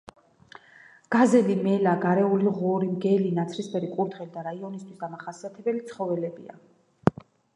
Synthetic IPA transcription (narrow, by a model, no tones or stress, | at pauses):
ɡ̥azɛlimɛlaɡaɾɛuliʁɔɾimɡɛlinat̪sʰɾispʰɛɾikʼuɾd̪ʁɛlid̪aɾaiɔnist̪ʰwisd̪amaχasiat̪ʰɛbɛlit̪sʰχɔvɛlɛbḭa̰